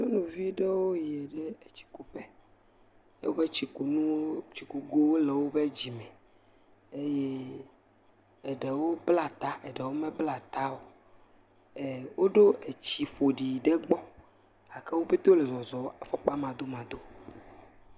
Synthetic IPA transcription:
no˦nũ˨vi˦ɖe˦wo˦je˨ɖɛ˦e˨t͡ɕi̥˨ku˨ɸɛ˦ | ḛ˦wo˦be˦t͡ɕi˨ku˨nũ˦t͡ɕi˨ku˨ɡo˦wo˦le˨wo˦be˦d͡ʑi˨mɛ̃˨ | e˦je˦ | e˨ɖe˨wo˦bla˦t̪a˦e˨ɖe˨wo˦mɛ̃˦bla˨t̪a˦wo˦ | e˨wo˦ɖo˦ʔe˨t͡ɕi˨ɸo˨ɖi˨ɖe˦ɡ͡bɔ˦ | a˨kɛ˦wo˦be˦t̪o˦le˨zɔ˨zɔ˨˦a˨fɔ˦k͡pa˦mã˨d̪o˦mã˨d̪o˦

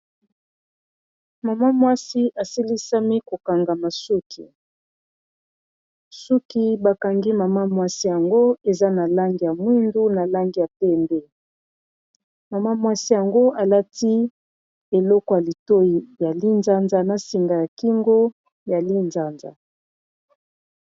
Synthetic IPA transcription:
ma˨ma˦mwa˦si˦ʔa˨si˦li˦sa˦mi˦ko˨ka˨ŋɡa˨ma˨su˦kʰḭ˨ | su˦ki˨ba˨ka˨ŋɡi˦ma˨ma˦mwa˦si˦ja˨ŋɡo˦e˨za˦na˨la˦ŋɡi˨ja˨mwi˦ndu˦na˨la˦ŋɡi˨ja˨pe˦mbe˦ | ma˨ma˦mwa˦si˦ja˨ŋɡo˦a˨la˦ti˦ | e˨lɔ˦kɔ˨ja˨li˨to˦ji˨ja˨li˦nza˦nza˨na˨si˨ŋɡa˨ja˨ki˦ŋɡo˦ | ja˨li˦nza˦nza̰˨

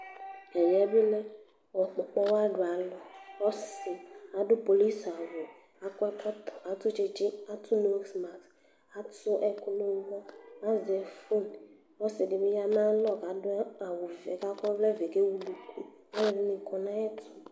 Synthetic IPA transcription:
ɛ˨jɛ˨˦be˦lɛ˦ | wɔ˨k͡pɔ˨k͡pɔ˦wa˦ɖo˨a˨lɔ˨wɔ˦si˨a˨ɖo˦po˨li˦sa˨wo˨ | a˨kɔ˦ta˨t̪o˦t͡ʃe˦t͡ʃi˦a˨t̪ʰu˦no˦ksma˨ks | a˨˦to˦ʔɛ˦ku˦no˦wmɔ̃˦ã˦zɛ˨fu˦n | wɔ˦si˨ɖe˨be˦ja˦m˦ã˦lɔ˦ɡa˨da˨wo˨vɛ˨ɡa˦kɔ˦vlɛ˦ve˨ke˦wu˦lu˦kʰu˦ | a˦ɾi˦nĩ˨kʰɔ˨nã˦ɛ˦tʰi˨

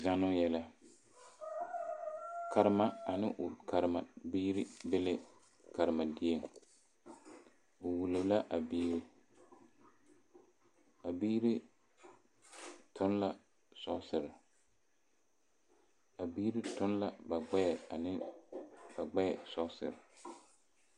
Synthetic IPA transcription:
za˨nʊ˦jɛ˦la˦ | ka˨ɾɪ˦ma˨a˨nɪ˦ʔʊ˨kʰa˨ɾɪ˨ma˨biː˦ɾɪ˦be˦lɪ˦ | ka˨ɾɪ˨ma˨dɪ˦e˨ŋ | ʊ˨wu˨lo˨˦la˦ʔa˨biː˦ɾɪ˦ | a˨biː˦ɾɪ˦ | tʰʊ˦n˦la˦ | sɔ˦sɪ˨ɾɪ˨ | a˨biː˦ɾɪ˦tʊ˦n˦la˦ba˨ɡ͡bɛ˦ɛ˨a˨nɪ˦ | ba˨ɡ͡bɛ˦jɛ˨sɔ˦sɪ̰˨ɾɪ˨

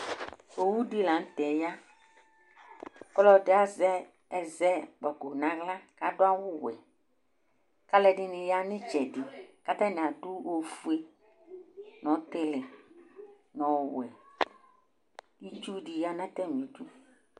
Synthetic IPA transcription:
o˨wu˦dɪ˦la˨n̩˦t̪ɛ˨ja˦ | kɔ˦lɔ˦dɪ˦a˨zɛ˦ | ɛ˨zɛ˦k͡pa˨ɡo˨nã˨ɣla˦ka˨dʊ˦a˦wʊ˦wɛ̰˨ | ka˦lɛ˨ɖɪ˦nɪ̃˨ja˦nɪ̃˦t͡ʃɛ˨dɪ˨ka˦t̪ã˦nɪ̃˨a˨dʊ˦wo˨fu˦e˦ | nɔ̃˨˦t̪ɪ˦lɪ˨ | nɔ̃˨wwɛ˨ | di˦t͡ʃu˦ɖi˨ja˦nã˦t̪ɛ˦m˨ĩ˨˦tu˦

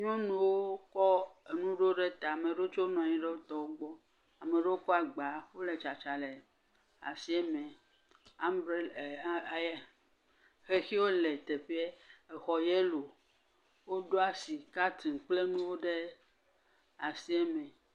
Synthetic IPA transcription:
ɲɔ̃˦nũ˨wo˦kɔ˦e˨nũ˦ɖo˦ɖe˦t̪a˨a˨me˨ɖo˦t͡ʃo˦nɔ̃˨a˨ɲĩ˦ɖe˦wo˦t̪ɔ˦wo˦ɡ͡bɔ˦ | a˨me˨ɖe˦wo˦kɔ˦a˨ɡ͡ba˨ɸo˦le˨t͡ʃa˨t͡ʃa˨le˨ | a̰˨si˦e˦mẽ˨ | a˦mbɾe˦˨˦j | xe˦xi˦wo˦le˨t̪e˨ɸi˦e˦e˨xɔ˨je˦lo˨ | wo˦ɖo˦a˨si˨ka˦t̪i˨k͡ple˦nũ˦wo˦ɖe˦ | a˨si˦ɛ˦mɛ̃˨

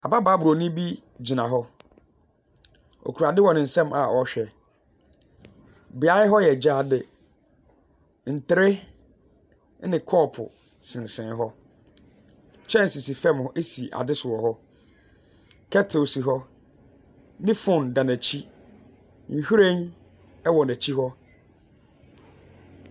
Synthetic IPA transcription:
a˨ba˦baː˨˦bʊ˨o˨˦nɪ̃˦bi˦ | d͡ʑi˨nã˨ɦɔ˦ | o̰˨kʰu˨ɾa˨dɪ˦wɔ̃˨nɪ̃˨n̩˨sɛ̃˦mʔa˨ʔɔ˨˦ɕᶣɛ˨ | bɪ˨a˨˦ɪ˦ɦɔ˦jɛ˨d͡ʑaː˦˨dɪ˨ | n̩˨tɪ˨ɾɪ˦ | nɪ̃˨kʰɔː˦˨pʰʊ̰˨ | sɪ̃˨n˨sɪ̃˨n˦ɦɔ˦ | t͡ɕʰɛ̃˦n̩˨si˨si˨fɛ̃˦mhɔ˦ʔe˦si˨ʔa̰˨dɪ˦sʊ˨ɔ˨ɦɔ˦ | kʰɛ˦tʰo˨si˨ɦɔ˦ | nɪ̃˦fʊ̃˦˨ndã˨næ˨t͡ɕʰi˦ | ŋ̩˨hu˦ɾẽ˦n | ɛ˦wɔ˨næ˨t͡ɕʰi˦ɦɔ˦

